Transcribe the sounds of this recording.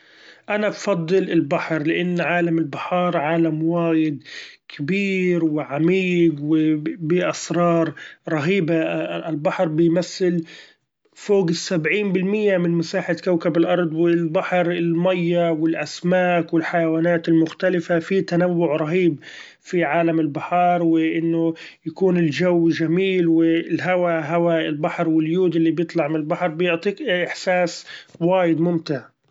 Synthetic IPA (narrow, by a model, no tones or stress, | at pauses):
ʔanabfɑd̪ˤːɨlɪlbaħɾlɪʔanːʕaːlamɪlbɪħɑːɾˤʕaːlamwaːjɪd̪kʰɪbiːɾwɪʕamiːɡwɪbɪʔasɾˤɑːɾˤɾˤɑɦiːbaɪlbaħɾˤbɪjmaθːɪl | foːɡɪsabʕiːnbɪlmɪjːamɪnmɪsaːħat̪kawkabɪlʔɑɾˤd̪ˤwɪlbaħɾɪlmajːawɪlʔasmaːkwɪlħajawaːnaːt̪ɪlmʊxt̪alɪfafit̪anawːʊʕɾˤɑɦiːb | fiʕaːlamɪlbɪħɑɾˤwɪʔɪnːʊ | jakuːnɪlʒawːʒamiːlwɪlɦawaɦawaɪlbaħɾˤwɪljuːd̪ɪlːibjɨt̪ˤlɑʕmɪnɪlbaħɾˤbɪjʊʕt̪ˤiːkʔɪħsaːswaːjɪd̪mʊmt̪ɪʕ